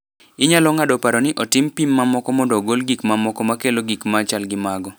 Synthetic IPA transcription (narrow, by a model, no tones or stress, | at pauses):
ɪɲalɔŋadɔpaɾɔnɪʔɔtɪmpimːamɔkɔmɔndɔɡolɡikmamɔkɔmakeloɡikmaːt͡ʃalɡɪmaɡɔ